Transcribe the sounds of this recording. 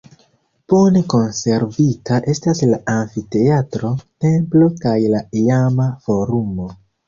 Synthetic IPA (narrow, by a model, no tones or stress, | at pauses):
pone̞ko̞nse̞ɾvitaʔe̞staslaʔanfite̞atɾo̞te̞mplo̞kajlaiamafo̞ɾumo̞